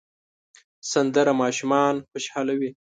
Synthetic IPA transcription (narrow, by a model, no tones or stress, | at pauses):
sand̪əɾamɑːʃumɑnxaʃhɑlawi